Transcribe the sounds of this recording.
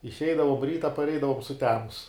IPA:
ɪʃʲˈɛɪdɐʋoːm ˈrʲiːtɐ pɐrʲˈɛɪdɐʋoːm sʊˈtʲæːmʊs

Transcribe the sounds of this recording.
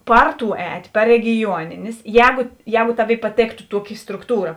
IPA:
ˈpɐr ˌtuː ˈɛːtʲ pɐr rʲɛɡʲɪˈjuɔnʲɪnʲeːs ˈjɛːɡʊˈjɛːɡʊ ˈtɑːˌʋʲeːɪ pɐˈtʲeːktʊ ˈtuɔˌkʲɪ strʊkˈtuːrɐ

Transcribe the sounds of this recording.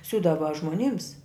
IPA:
ˈsʲuːdɐʋɐ ʒmoːˈnʲɪms

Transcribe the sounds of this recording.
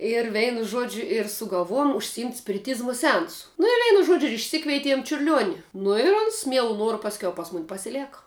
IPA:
ɪr ˈʋʲɛɪnʊ ˈʒuɔd͡ʒʲʊ ɪr sʊɡɐlˠˈʋoːjʊm ʊʃʲsʲɪˈɪmʲtʲ sʲpʲɪrʲɪˈtʲiːzmʊ sʲɛˈɐnsʊ nʊ ɪr ˈʋʲɛɪnʊ ˈʒuɔd͡ʒʲʊ ɪʃʲˈsʲɪkʋʲɛɪtʲiɛm t͡ʃʲʊrʲˈlʲuɔnʲɪ nʊ ɪ ˈoːns ˈmʲiɛlˠʊ ˈnuɔrʊ pɐsʲˈkʲɛʊ ˈpɐs ˈmʊnʲ pɐsʲɪˈlʲæːkɐ

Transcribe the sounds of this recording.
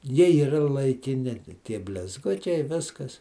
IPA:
ˈjiɛ iːˈrɐ lˠɐɪkʲɪˈnʲɪ ˈtʲiɛ bʲlʲɪzˈɡʊt͡ʃʲɛɪ ˈʋʲɪskɐs

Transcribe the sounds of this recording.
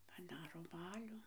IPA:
pɐˈdɑːroː ˈbɑːlʲʊ

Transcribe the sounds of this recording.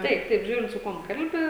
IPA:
ˈtɐɪp ˈtɐɪp ˈʒʲuːrʲɪnt sʊ ˈkuɔm ˈkɐlʲbʲɪ

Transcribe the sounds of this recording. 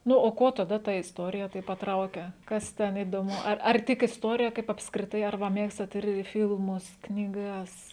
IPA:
ˈnʊ oː ˈkuɔ tɐˈdɐ tɐ ɪsˈtoːrʲɪjɛ ˈtɐɪp pɐˈtrɐʊkʲɛ ˈkɐs ˈtʲɛn iːdoːˈmʊ ˈɐr ɐr ˈtʲɪk ɪsˈtuɔrʲɪjɛ ˈkɐɪp ɐpskrʲɪˈtɐɪ ɐr ˈʋɐ ˈmʲeːkstɐt ɪr ˈfʲɪlˠmʊs knʲiːˈɡɐs

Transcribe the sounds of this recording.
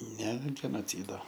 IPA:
nʲɛ ɡʲɛnoːˈt͡sʲiːdoː

